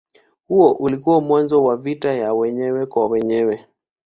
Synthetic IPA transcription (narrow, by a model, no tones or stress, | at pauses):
huɔʔulikuamwanzɔwavitajawɛɲɛwɛkwawɛɲɛwɛ